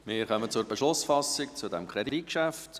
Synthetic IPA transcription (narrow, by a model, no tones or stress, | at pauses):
mɪɾχœmət͡sʊrbɛʃlʊsfɑsɪk̚t͡sudɛmkʰʁɾɛdid̥it̚kʃæft